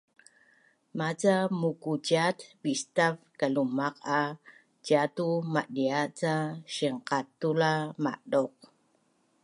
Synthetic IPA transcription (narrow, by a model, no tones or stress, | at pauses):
mat͡samukucat̪bist̪avkalumaqʰa | cat̪umaʔdiat͡saʃiŋqat̪ulama̰ʔɗoq